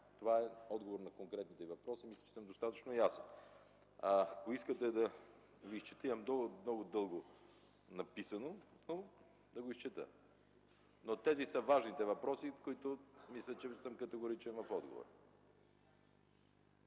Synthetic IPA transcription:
t̪ovaɛɔd̪ɡovoɾnɐkoŋkɾɛt̪nit̪ɛvɐpɾɔsimislə̥t͡ʃɛ̥səmd̪ost̪at̪ə̥t͡ʃnojasɛn | akoiskət̪ɛd̪ɐ | viist͡ʃɛt̪iɐmd̪omnɔɡʊd̪ɤlˠɡo | nɐpisɐnono | d̪ɐɡoist͡ʃɛt̪ə̰ | not̪ɛzisəvaʒnit̪ɛvɐpɾɔsikoit̪ʊmislʲət͡ʃɛsəmkɐt̪ɛɡoɾit͡ʃɛnvɐfɔd̪̚ɡo̰vo̰ɾ

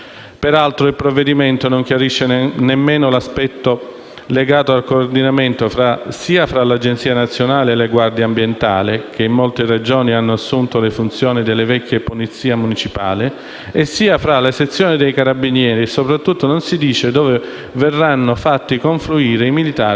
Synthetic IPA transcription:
peɾalt̪ɾoilpɾovːed̪iment̪onoŋk̟jaɾiʃːenemːeːnolaspɛt̪ːo | leɡaːt̪oalkoːrd̪inament̪oɾasiːafɾalad͡ʒent̪siːanat̪sːjonaːlealːeɡward̪jaːmbjent̪a̰ːlɪk̟eimːolt̪ered͡ʒoːnianːoasːunt̪olefunt̪sjoːnid̪elːevɛkʲːjeponit̪sːiːamunit͡ʃipa̰ːli | esːiːafɾalaset̪sːjɔːnid̪ejkaɾabinjɛːɾisopɾat̪ːut̪ːononsid̪iːt͡ʃed̪ɔːve | vɛrːanːofat̪ːikoɱfluiːɾeimilit̪aː

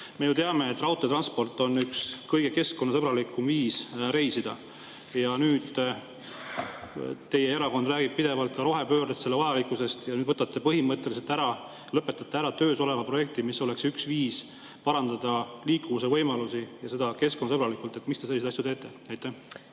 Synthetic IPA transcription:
me̞jut̪eɑme̞et̪ːˑrɑwt̪ˑot̪rɑnspo̞rt̪ːˑo̞nːykskɤjɡ̥e̞ke̞sko̞nːɑsɤbɾɑlikːˑumviːsɾe̞jsid̪̥ɑ̰ | jɑnyːd̪̥ | t̪e̞je̞eɾɑko̞nd̪̥ræːɡib̚pid̪e̞vɑlt̪̚kɑɾo̞ɦe̞pø̞ːɾd̪et̪selːeɑjɑlikˑːuse̞st̪jɑnyːd̪vɤt̪ːˑɑt̪ːˑe̞pɤɦimɤt̪ːˑe̞lise̞lt̪æɾɑ | lɤpːˑe̞t̪ːˑɑt̪ːˑeæɾɑt̪ø̞ːso̞le̞vɑpro̞je̞k̚t̪imisːo̞le̞ksyksviːs | pɑɾɑnd̪̥ɑd̪ɑliːkːumuse̞vɤjmɑlusijɑse̞d̪̥ɑke̞skonːɑsɤbɾɑlikːˑult̪ˑe̞t̪mist̪eselist̪ɑsjut̪e̞ːt̪ːˑe̞ɑjt̪ːˑæh

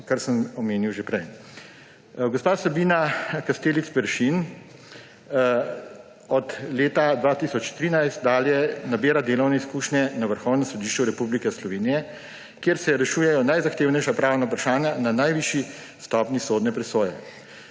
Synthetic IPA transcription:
kaɾsəmɔmeːniwʒepɾɛj | ɡɔspaːsɛbiːnakast̪eːlit̪spɛɾʃin | ɔt̪leːt̪ad̪ʋaːt̪iːsɔt͡ʃt̪ɾiːnajst̪̚d̪aːljɛnabeːɾad̪eːlɔwnɛiskuːʃnʲɛnaʋəɾxɔwnɛmsɔd̪iːʃt͡ʃuɾɛpublikɛslɔʋeːnijɛ | kjeːɾsɛɾɛʃuːjɛjɔnajzaxt̪eːʊwnɛjʃapɾaːwnaupɾaʃaːnjananajʋiːʃi | st̪ɔːpnisoːd̪nɛpɾɛsoːjɛ̰

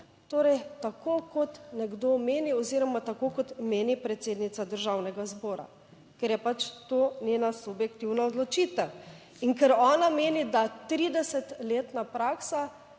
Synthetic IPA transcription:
t̪oːɾɛjt̪akokɔt̪nɛɡd̪omeːniɔziɾɔmat̪akokɔt̪meːnipɾɛt̪seːd̪nit̪sad̪əɾʒawnɛɡazbɔːɾa̰ | kɛɾjɛpat͡ʃt̪oːnenasubjɛkt̪iwnaɔd̪lɔt͡ʃit̪ɐ | iŋkɛɾɔːnameːnid̪at̪ɾiːd̪ɛsɛt̪leːt̪napɾaːksa

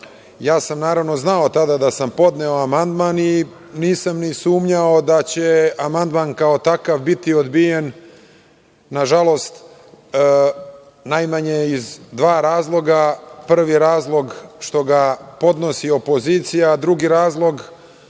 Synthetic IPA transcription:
jaːsamnaːɾaʋno̞znao̞t̪ad̪ad̪asampo̞d̪ne̞o̞amand̪mani | niːsamnisuːmɲao̞d̪at͡ɕe̞amand̪mankao̞t̪akavbit̪io̞d̪bije̞n | aʒalo̞st̪ː | najmaɲeizd̪ʋaːɾaːzlˠo̞ɡapr̩ʋiɾaːzlˠo̞ɡʃt̪o̞ɡapo̞d̪no̞sio̞po̞ziːt̪sijad̪ɾuɡiɾaːzlˠo̞ɡ

